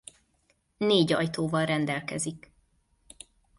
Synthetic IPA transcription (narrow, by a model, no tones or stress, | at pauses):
neːɟɒ̰jt̪oːvɒlrɛnd̪ɛlkɛzik